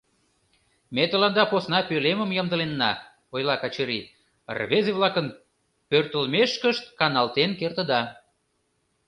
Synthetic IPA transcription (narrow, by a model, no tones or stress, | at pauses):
met̪əlɑnd̪ɑposnɑpøleməmjɑmd̪əlenːɑ̰ | ojlɑkɑt͡ɕəɾi | rβezeβlˠɑkən | pørt̪ə̆lmeʃkəʃt̪kɑnɑlt̪enkert̪ə̆d̪ɑ